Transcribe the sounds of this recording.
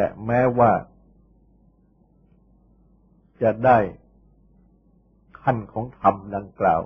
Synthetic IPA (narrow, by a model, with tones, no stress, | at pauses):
t̪ɛ˨˩mɛː˦˥waː˥˩ | t͡ɕa˨˩daː˥˩j | kʰa˥˩nkʰɔː˩˦ŋt̪ʰa˧mda˧ŋkla̰ː˨˩w